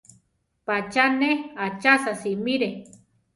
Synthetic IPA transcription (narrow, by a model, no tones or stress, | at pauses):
pat͡ʃaneat͡ʃasasimiɾe